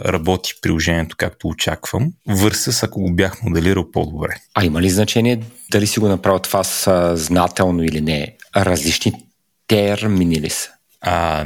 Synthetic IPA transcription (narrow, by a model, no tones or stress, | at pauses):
ɾɐbɔt̪i̥pɾilˠoʒɛniɛt̪o̥kakt̪oːt͡ʃakv̥əmvɤɾsəsɐkoɡobjaxmod̪ɛliɾəlˠpod̪obɾɛɐiməliznɐt͡ʃɛniɛd̪ɐlisiɡonɐpɾavət̪v̥asznat̪ɛlˠnoilinɛɾɐzlit͡ʃni | t̪ɛɾminilḭsə̥ | a